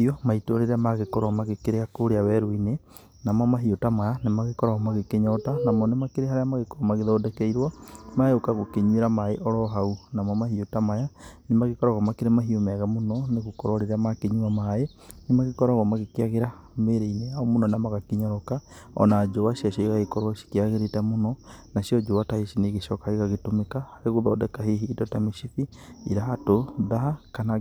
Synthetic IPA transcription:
iɔmaitoɾeɾeamaɣekɔɾwamaɣekeɾeakoɾeawɛɾoine | namamaɦiotamajanemaɣekɔɾaɣɔmaɣekeɲɔtanamɔnemakeɾeɦaɾeamaɣekoɔmaɣeðɔːdɛkɛiɾwamaeokaɣokeɲweɾamaḛʔɔɾɔɦaunamamahiotamajanemaɣekɔɾaɣamakeɾemaɦiomɛaɣamonɔneɣokɔɾɔɾeɾamakeɲwamae | nemaɣekɔɾaɣamaɣekeaɣeɾa | meɾeineaɔmonɔnamaɣakiɲɔɾɔkaɔ̰nad͡ʒoβaʃiaʃɔiɣaɣekɔɾwaʃi̥keaɣeɾetamonɔnaʃjɔd͡ʒowataheʃineɣeʃɔkaeɣaɣetomekahaɾeɣoðaːdɛkaheɦiːdɔtamiʃifi | iɾaɦatoðahakana

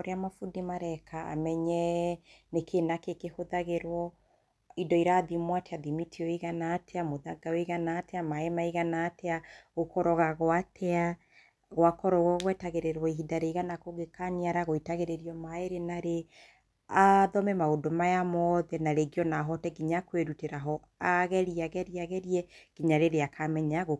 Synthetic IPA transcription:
oɾeamafudimaɾɛkʰaa̰mɛɲɛnekʰenakekehoðaɣeɾwɔ | idɔiɾaðimwateaðimitʰiɔiɣanatʰɛamoðaɡaweɣanaːtɛamaemaiɣanaːtɛaɣokɔɾɔɣaɣwatʰɛa | ɣwakɔɾɔɣɔɣwɛtaɣeɾeɾwaiɦidaɾeiɣanakoɡekaniaɾaɣoitaɣeɾeɾiɔmaeɾenaɾe | aðɔmɛmaodomajamɔðɛnaɾeɡiɔnaɦɔtɛɡiɲakweɾuteɾaɦɔ | aɣɛɾiaɣɛɾiaɣɛɾiɛɡ̥iɲaɾeɾeakʰamɛɲaɣo

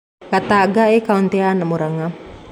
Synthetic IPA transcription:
kat̪aːɡaekaunt̪eanamuɾaŋa

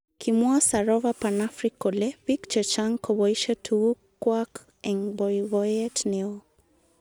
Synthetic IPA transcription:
kʰimɔasaɾɔvapanafɾikːɔlɛbikt͡ʃət͡ʃaŋkɔβɔiʃatʰukːwak | ɛŋbɔjvɔjɛtnɛɔ

